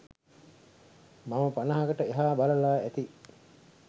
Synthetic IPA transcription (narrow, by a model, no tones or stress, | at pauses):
maməpanəɦaɡəʈəeɦaːbaləlaːæt̪i